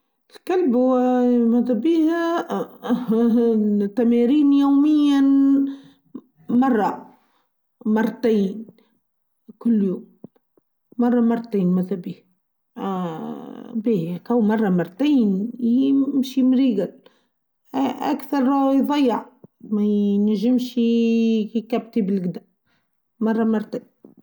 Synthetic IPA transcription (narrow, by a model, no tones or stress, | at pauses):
lkalbʊwæmæt̪æbiːh | t̪ːæmæɾiːnjawmɪjːa | mɑrˤːɑ | mɑrˤːɑt̪aːn | kʊlːjoːmː | ɑrˤːɑmɑrˤːɑt̪eːnmæðæbiːh | bikæwmɑrˤːɑmɑɾˤːt̪iːnjmʃimɾiːɡal | ʔæ̰kθɑɾˤjðˤɑjːɑʕmæjnæʒɪmʃ | kæb̚t̪ibɪlɡd̪a | mɑrˤːɑmɑɾˤt̪aːn